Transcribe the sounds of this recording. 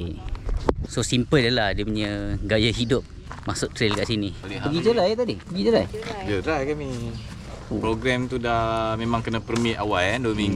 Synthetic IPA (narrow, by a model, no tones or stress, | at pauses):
sosimpəldəlahdiəpuɲəɡajaɦidʊp̚ | masʊt̪ɾelkaʔsiniolɛəɡit̪əlaet̪adihbəɡid͡ʒəɾajd͡ʒəɾajkami | pɾoɡɾɛmt̪udahmemãŋkənapərmiawajandomiŋ